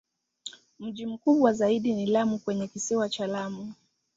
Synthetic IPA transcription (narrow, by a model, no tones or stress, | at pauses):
m̩ʄim̩kuɓwazaiɗinilamukwɛɲɛkisiwat͡ʃalamu